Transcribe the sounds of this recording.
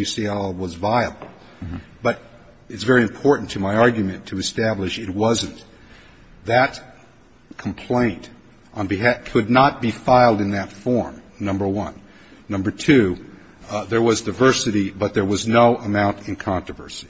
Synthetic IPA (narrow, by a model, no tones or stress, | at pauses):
ɨsiɛlˠwʌzvaɪəbl̩ˠ | b̥ʌɾ | ɨtsvɛɹiɨ̃mpʰɔɹʔn̩tʰɨmaɪɑɹɡjɨmɨ̃ntʰɨɨstæblɨʃɨt̚wʌzɨ̃n | ðɨt̚ | kʰm̩pʰl̥ẽɪ̃nt | ʔn̩bɨɦækʰɨdⁿnət̚b̥ifaɪlˠdɨ̃nðɨtfɔɹm | nʌ̃mbə˞wʌ̃nː | ʌ̃mbə˞tʰʉ | ðə˞wʌzdɨɪvɜ˞sɨɾibʌt̪̚ðə˞wʌznoʊʔəmãʊ̃ntɨ̃nkʰɑ̃ntɹ̥əvɜ̰˞si̥